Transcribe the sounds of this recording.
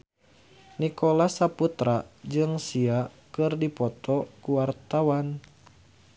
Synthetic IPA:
nikɔlasaput̪ɾad͡ʒɨŋsia | kɨrdipɔt̪ɔkuwart̪awan

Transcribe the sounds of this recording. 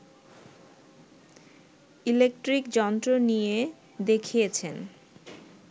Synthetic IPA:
ilek̚ʈɾikd͡ʑɔnt̪ɾonije | d̪ekʰijet͡ɕʰen

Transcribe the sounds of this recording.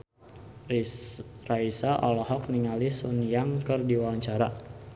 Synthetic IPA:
raisaʔɔlɔhɔk̚niŋalisunjaŋkərdiwawaɲt͡ʃaɾa

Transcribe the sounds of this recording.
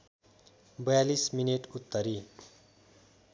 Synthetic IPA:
bʌjalismineʈut̪ːʌɾi

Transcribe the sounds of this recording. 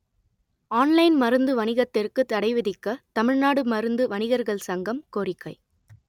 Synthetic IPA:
aːnlɐɪnmɐɾɯnd̪ɯʋɐnɪɣɐt̪ːɪrkɯt̪ːɐɽɐɪʋɪðɪkːɐt̪ɐmɪɻnaːɽɯmɐɾɯnd̪ɯʋɐnɪɣɐɾɣɐɭsɐŋɡɐmkoːrɪkːɐɪ

